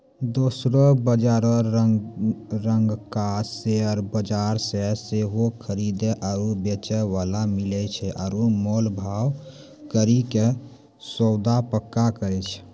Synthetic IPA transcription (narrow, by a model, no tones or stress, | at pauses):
d̪osɾobəd͡ʒaɾɔ | ɾəŋɡkaseɔɾbəd͡ʒaɾseseɦokʰəɾid̪eʔaɾobet͡ʃɛʋalamilɛt͡ʃʰɛʔɔːɾomolbʱaw | kəɾike | sɔwd̪apəkːakəɾɛt͡ʃʰ